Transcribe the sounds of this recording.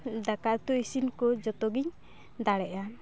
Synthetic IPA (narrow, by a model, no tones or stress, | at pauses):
d̪akaʔt̪uisinkɔd͡ʒɔt̪ɔɡiɲ | d̪aɽɛʔa